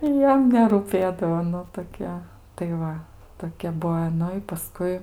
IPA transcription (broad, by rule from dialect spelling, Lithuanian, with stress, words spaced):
ˈjɛm nʲɛruːˈpʲeːdɐʋoː ˈnʊ toːˈkʲɛ tɐɪ ˈʋɐ toːˈkʲɛ ˈbuɔ ɪ ˈnʊ ɪ pɐˈskʊɪ